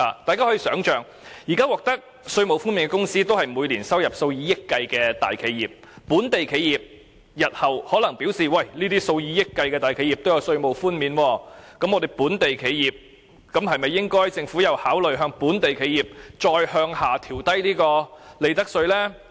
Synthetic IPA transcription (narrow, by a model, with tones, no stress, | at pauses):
a˨t̪aː˨kaː˥ɔ˨˥jiː˨˧sœː˨˥ŋt͡ʃœː˨˩ŋ | jiː˨˩kaː˥wɔː˨k̚t̪ɐ˥k̚ | sɵ˧ɥmo˨wfuː˥nmi˨˧nkɛː˧kʊ˥ŋsiː˥t̪o˥wɦɐ˨jmuː˨˧jliː˨˩nsɐ˥wjɐ˨˩p̚so˧wjiː˨˧˥jɪ˥kːɐ˧jkɛː˧t̪a̰ː˨˩jkʰe˨˧jːiː˨˩p̚ː | uː˨˥nt̪e˨jkʰe˨˧jiː˨p̚ | jɐ˨˩t̚hɐ˨˩whɔː˨˥lɐ˨˩ŋpi˨˥wsiː˨˩wɐ˨˩jliː˥t̪iː˥so˧wjiː˨˥jɪ˥kːɐ˧jkɛː˧t̪aː˨jkʰe˨˧ji˨p̚t̪o˥wjɐ˨˧wsɵ˧ɥmo˨wfuː˥nmiː˨˧nwɔː˧kɐ˨˥mɔː˧d̪e˨jpuː˨˥nt̪e˨jkʰe˨˧jjiː˨˩p̚ | kɐ˨˥mɦɐ˨jmɐ˨jːɪ˥ŋkɔː˥jt͡sɪ˧ŋfu˨˥jɐ˨˧whaː˨˥wlɵ˨ɥɦœː˧ŋpuː˨˥nt̪e˨jkʰe˨˧jiː˨p̚t͡ʃɔː˧jhœː˧ŋhaː˨t̪ʰiː˨˩wt̪ɐ˥jliː˥kɔː˧le˨˧jt̪ɐ˥k̚sɵ˧ɥlɛː˥